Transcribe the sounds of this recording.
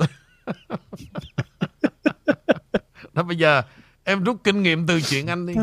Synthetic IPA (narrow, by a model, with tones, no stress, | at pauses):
ɗɔ˨˦ɓə˧jzəː˨˩ | ʔɛ˧mzu˦˥t̚kï˧ŋ̟ŋḭ˧˨əmt̪ɨ˨˩t͡ɕwḭ˧˨ənʔa˧jŋ̟ɗi˧